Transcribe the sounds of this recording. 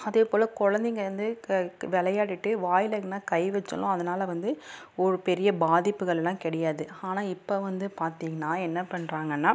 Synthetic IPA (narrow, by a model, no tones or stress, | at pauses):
ɐðeːpoːlɐkɔɻɐnd̪ɪŋɡɐʋɐnd̪ɯʋɛɭɐjaːɽɪʈːɯʋaːjɪlɐŋɡɐnːaːkɐɪʋɛt͡ʃːɐ̰lʊ̰̃ɐðɐnaːlɐʋɐnd̪ɯɔɾɯpɛɾɪjɐbaːðɪpːɯɣɐɭɛlːãːkɛɽɛjaːðɯaːnaːɪpːoːʋɐnd̪ɯpaːɾt̪iːŋɡɐnːaːɛnːɐpɐɳɾaːŋɡɐnːaː